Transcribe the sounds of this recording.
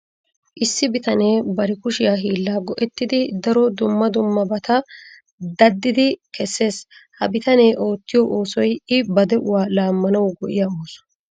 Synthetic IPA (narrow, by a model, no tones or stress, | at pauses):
ʔɪsːɪbɪt̪ɐne̞ːbɐɾɪkʊʃɪjaɦiːlːaːɡɔʔɛt̪ːɪd̪ɪd̪ɐɾɔd̪ʊmːɐd̪ʊmːɐbɐt̪ɐ | d̪ɐd̪ːɪd̪ɪkɛsːe̞ːshɐbɪt̪ɐne̞ːʔo̞ːt̪ːɪjɔʔoːsɔjɪbɐd̪ɛʔʊwaːlaːmːɐnɐwɡɔʔɪjaːoːsɔ̥